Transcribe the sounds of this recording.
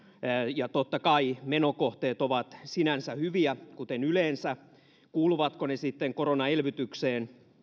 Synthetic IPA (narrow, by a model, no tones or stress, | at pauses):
jɑt̪ot̪ːɑkɑimenokoht̪eːt̪oʋɑt̪sinænsæhyʋiækut̪enyleːnsæ | kuːluʋɑt̪konesit̪ːeŋkoronɑelʋyt̪ykseːn